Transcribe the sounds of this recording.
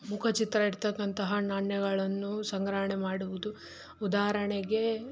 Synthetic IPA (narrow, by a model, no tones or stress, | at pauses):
mukʰɐt͡ʃit̪ɾɐiɾt̪ɐkːɐnt̪ɐɦɐnaːɳjɐɡɐɭɐnːusɐŋɡɾɐɦɳemaːɽuʋud̪u | ud̪aːɦɐɾɐɳeɡe̞